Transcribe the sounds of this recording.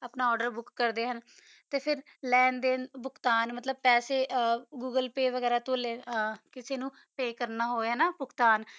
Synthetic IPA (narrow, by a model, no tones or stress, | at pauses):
apnaːɔːɖəɾbʊkːəɾd̪eːɦən | t̪eːpʰɪɾ | lɛːnd̪eːnbʊkt̪aːnmət̪ləb̚pɛːseːɡuːɡəlpeːʋəɡɛːɾaːt̪õːleːkɪseːnũː | peːkəɾnaːɦoːɛːnaːbʊkt̪aːn